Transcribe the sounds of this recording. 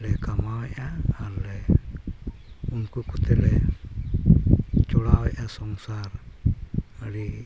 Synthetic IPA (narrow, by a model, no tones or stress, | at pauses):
lɛkamawɛaalɛ | uŋkukut̪ɛlɛ | t͡ʃɔɽawɛʔasɔŋsaɾ | aɾi